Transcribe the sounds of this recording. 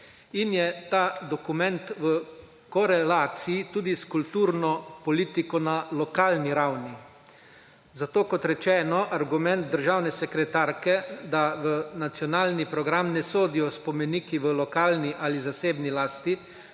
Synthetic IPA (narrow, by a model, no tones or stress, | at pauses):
injɛt̪aːd̪ɔkumɛnt̪ʋə | kɔɾɛlaːt̪sijit̪uːd̪iskult̪uːɾnɔpɔliːt̪ikɔnalɔkaːlniɾawni | zat̪oːkɔt̪ɾɛt͡ʃɛːnɔʔaɾɡumɛ̃nt̪̚d̪əɾʒaːwnɛsɛkɾɛt̪aːɾkɛd̪aʋənat̪sjɔnaːlnipɾɔɡɾamnɛsoːd̪ijɔspɔmɛniːkiʋəlɔkaːlniʔalizaseːbnilaːst̪i